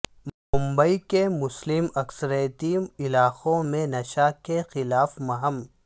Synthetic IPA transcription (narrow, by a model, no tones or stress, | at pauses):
mʊmbəikemʊslɪmɐksəɾejt̪iːmɪlaːxõmẽnɐʃakexɪlaːfmɐɦəm